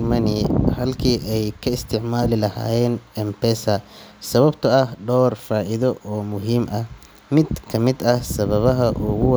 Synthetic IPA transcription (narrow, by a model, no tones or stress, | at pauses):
mɐnɪhɐlkʰiːʔɛjkʰɐɪst̪ʰɪʕmaːlɪlɐha̰ːjɛːnɛmpɛsɐsɐβɐbt̪ʰɐɐhɖɔːrfaːʔɪðɔʔɔːmʊɦiːmʔɐh | mɪd̪kʰɐmɪd̪ɐhsɐβɐβɐɦɐʔʊɣʊw